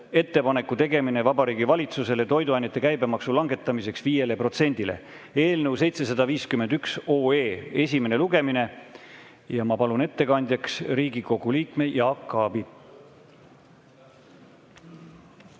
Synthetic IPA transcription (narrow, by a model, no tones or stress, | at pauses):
e̞t̪ːe̞pɑne̞kːˑut̪e̞ɡe̞mine̞vɑbɑɾiːɡivɑlʲit̪suse̞let̪o̞jd̪uɑjnet̪ːˑekæjbe̞mɑksulɑŋɡ̥e̞t̪ːˑɑmise̞ksviːje̞lepro̞t̪se̞nʲd̪̥ile̞̰ | e̞ːlnəwse̞jt̪se̞s̬ɑd̪̥ɑviːskymend̪̥ykso̞ːe̞ːe̞sʲime̞ne̞luɡe̞mine̞ | jɑmɑpɑlune̞t̪ːe̞kɑnʲd̪̥ʲjɑksɾiːɡiko̞ɡ̥uliːkme̞jɑɑkːˑɑːbi